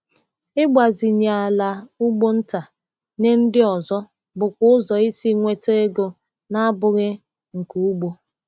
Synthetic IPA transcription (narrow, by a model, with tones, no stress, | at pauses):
ɪ˦ɡ͡ba˨zi˨ɲa˨a˨la˨ʊ˦ɡ͡bo˦n̩˦ta˨ | ne˦n̩˦dɪ˦ɔ˨zɔ˦ | bʊ˨kʷʊ˦ʊ˦zɔ˨i˦si˦ŋʷe˦te˦e˦ɡo˦ | na˦bʊ˨ɣɪ˦ | ŋ̩˨ku˨u˦ɡ͡bo˦